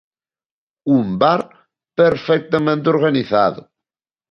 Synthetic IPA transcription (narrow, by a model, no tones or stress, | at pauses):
umbaɾˤ | pɛɾfɛk̚t̪æmɛ̃nt̪oɾɡaniθað